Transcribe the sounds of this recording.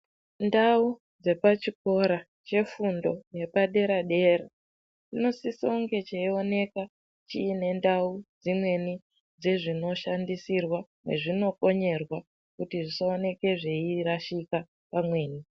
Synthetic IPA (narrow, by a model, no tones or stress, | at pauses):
ndau | d͡ze̞pat͡ʃiko̞ɾa | t͡ʃe̞fundo̞je̞paɗe̞ɾaɗe̞ɾa | tino̞siso̞ŋɡe̞t͡ʃeio̞ne̞ka | t͡ʃiːne̞ndaud͡zimwe̞ni | d͡ze̞ʐino̞ʃandisirwamwḛʐino̞ko̞ɲe̞rwa | kutiʐisaone̞ke̞ʐe̞iraʃika | pamwe̞ːni